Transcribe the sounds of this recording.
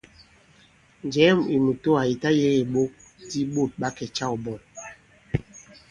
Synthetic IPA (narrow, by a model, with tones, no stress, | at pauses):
nd͡ʒɛ˨˦mi˨mu˨to˦a˨i˨ta˦je˦ɣe˨ɓo˦k̚ | ti˦ɓo˦˨t̚ɓa˦kɛ˨t͡ʃa˦˨u˨bɔ˨